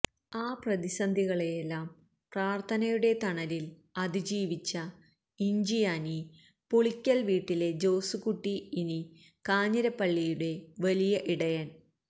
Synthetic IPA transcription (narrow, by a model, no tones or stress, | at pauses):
aːprɐðisɐnd̪ʱiɣɐɭejelːaːm | praːrt̪ʰɐnɐjuɽe̞t̪ɐɳɐɾil | ɐd̪id͡ʑiːʋit͡ɕːɐ | iɲd͡ʑijaːni | poɭikʲːɐlʋiːʈːile̞d͡ʑo̞ːsukuʈːiini | kaːɲːɐɾɐpːɐɭːijuɽe̞ʋɐlijɐʔiɽɐjan